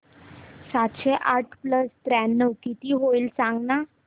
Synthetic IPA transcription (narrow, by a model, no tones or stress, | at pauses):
sat̪ɕeʔaʈʰpləst̪ɾænːəwkit̪iːɦoilsãŋɡna